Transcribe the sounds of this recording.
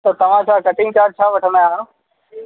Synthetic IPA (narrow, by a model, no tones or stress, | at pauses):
t̪ot̪ɐʋ̤ãːsãkəʈɪŋɡkaːɾ̚t͡ʃʰaːʋɐʈʰəmajãː